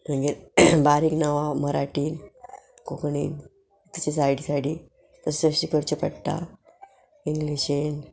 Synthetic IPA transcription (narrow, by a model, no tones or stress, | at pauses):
məɡiɾbaɾiːknaʋaməɾaʈiːn | kokɳḭːn | t̪ises̬ajɽisaɽiː | t̪əsəɕikəɾt͡ɕepəɽʈ̪a̰ | iŋɡliɕen